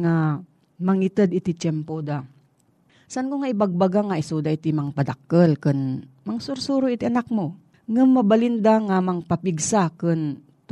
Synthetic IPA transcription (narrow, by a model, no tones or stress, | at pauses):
ŋa | mɐŋit̪əd̪ɪt̪it͡ʃɛmpod̪a | saʔankoŋaʔɪbaɡ̚baɡaŋaʔɪsud̪aʔit̪imaŋpad̪akːəlkɨnmaŋsʊɾsuɾoɪt̪iʔanak̚mo | ŋamːɐbalɪnd̪aŋamɐŋpapiɡsakɨn | t̪